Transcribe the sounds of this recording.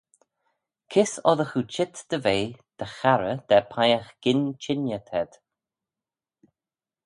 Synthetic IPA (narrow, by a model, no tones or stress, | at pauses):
kʰɪsɔðəxut͡ʃʰɪt̪d̪̥əveːd̪̥əxaɾəd̪̥ɛpʰajəxɡ̥ɪnt͡ʃʰɪnjət̪ʰɛd̪̥